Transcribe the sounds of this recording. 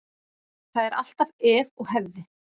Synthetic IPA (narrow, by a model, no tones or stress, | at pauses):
θaðɛɾʔa̰l̥t̪avɛːvɔɣhɛvðɪ